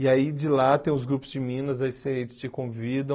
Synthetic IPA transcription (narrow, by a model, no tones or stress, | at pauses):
ɪaid͡ʒɪlat̪ẽj̃ʊzɡɾupʊzd͡ʒɪmĩnɐzaiset͡ʃɪst͡ʃɪkõvid̪ɐ̃